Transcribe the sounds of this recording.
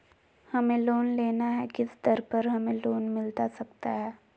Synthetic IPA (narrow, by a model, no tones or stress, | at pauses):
hɐmẽloːnleːnaɦɛkɪsd̪əɾpɐɾɦɐmẽloːnmɪlt̪asɐk̚t̪aɦɛː